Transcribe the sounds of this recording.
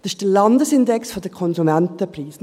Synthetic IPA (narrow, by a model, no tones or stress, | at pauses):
d̥ɑsɪ̥d̥əlɑndəsɪndɛksfodəkʰɔnzumæntəpriːs